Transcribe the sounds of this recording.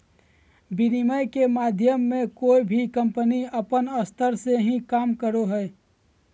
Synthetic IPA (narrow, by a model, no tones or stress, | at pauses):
biniməjkemaːd̪ʱjəmːẽkoːibʱikə̃mpəniəpənəst̪ʰəɾseɦĩkaːmkəɾoɦɛ